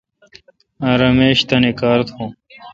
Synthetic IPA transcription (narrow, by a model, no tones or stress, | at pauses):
ãɾɐmeːɕt̪ɐnekaːɾt̪ʰhõː